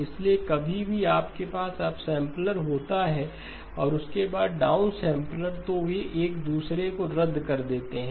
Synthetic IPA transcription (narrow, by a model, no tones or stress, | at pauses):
ɪsliekɐbʱibʱiaːpkepaːsaːpsɛ̃ːmpləɾɦoːt̪aɦɛ | ɔːɾʊskebaːd̪̚ɖaːʊnsɛ̃ːmpləɾt̪obʱiʔeːkd̪uːsɾekoɾɐd̪ʱːkɐɾd̪eːt̪eɦɛ̃